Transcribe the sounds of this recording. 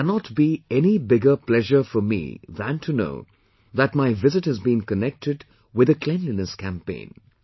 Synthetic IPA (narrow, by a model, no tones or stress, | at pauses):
ænət̚b̥iɛnibɪɡə˞pl̥ɛʒə˞fə˞mḭðæ̃ntʰɨno̰ʊ | ðət̚maɪvɪzɨt̚hɨzbĩnkənɛk̚tɨd | wɨðɨkʰl̥ɛ̃nlinɨskʰæ̃mpḛ̃ɪ̃n